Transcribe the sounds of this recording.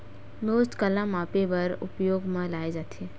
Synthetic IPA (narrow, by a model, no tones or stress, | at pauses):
moːsʈkəlãmapebəɾṵpjoɡmãlaːed͡ʒat̪ʰe